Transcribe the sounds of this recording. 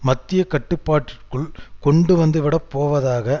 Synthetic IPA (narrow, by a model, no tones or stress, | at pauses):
mɐt̪ːɪjɐkɐʈːɯpːaːʈːɪrkːɯɭkɔɳɖɯʋɐnd̪ɯʋɪɽɐpːoːʋɐðaːɣɐ